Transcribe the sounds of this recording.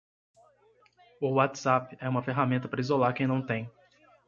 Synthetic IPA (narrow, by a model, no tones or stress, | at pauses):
ʊwat̪z̥apɪɛũmɐfeɦamẽnt̪ɐpɾɐizolaɾkẽj̃nɐ̃w̃t̪ẽj̃